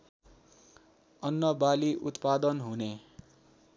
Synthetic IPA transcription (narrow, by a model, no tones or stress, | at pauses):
ʌnːʌbaliʔut̪pad̪ʌnɦune